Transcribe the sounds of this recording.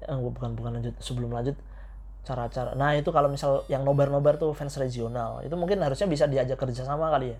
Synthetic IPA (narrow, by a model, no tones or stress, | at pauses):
ʔəɡuabukanbukanlaɲd͡ʒʊt̪̚səbəlʊmlaɲd͡ʒʊt̪̚ | t͡ʃaɾat͡ʃaɾa̰nait̪ukalomisaljaŋnobɛrnobɛrt̪ufɛnsred͡ʒionalḭt̪umuŋkɪnɦaɾusɲabis̬adiad͡ʒakərd͡ʒasamakalija